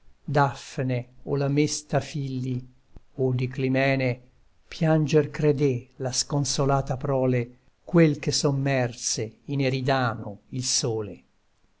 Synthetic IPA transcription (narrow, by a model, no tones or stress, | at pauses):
d̪afːneolamest̪afilːi | od̪iklimɛːne | pjand͡ʒerkɾed̪elaskonsolaːt̪apɾɔːle | kwelkesomːɛrseineɾid̪aːnoilsoːlḛ